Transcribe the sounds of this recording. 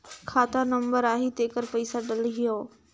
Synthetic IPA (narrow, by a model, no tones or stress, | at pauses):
kʰaːt̪anɐ̃mbəɾaːɦit̪eːkəɾpɐisaɗɐlɦijoː